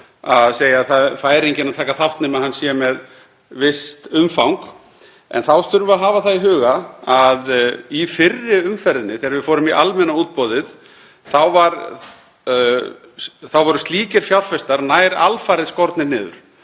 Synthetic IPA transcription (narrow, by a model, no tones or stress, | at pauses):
aðseːjaθaðfaːjɾejɲcɪnat̪ʰaːkaθaht̪nɪmaðhanːsjɛmɛð | vɪst̪ʏmfawŋk | ɛ̰nθawst̪ʏɾvʏaɦaːvaθaðiɦʏːɣaaðifɪrːɪʏmfɛɾðɪnɪθɛːɾvɪðfɔːɾʏmiʔa̰lmɛnauːt̪̚pɔːðɪð | θawvaɾ | θawvɔɾʏst̪liːcɪɾ̥fjawlfɛst̪aɾnaːjɾa̰lfajɾɪðskɔɾt̪nɪɾnɪːðʏ̰ɾ̥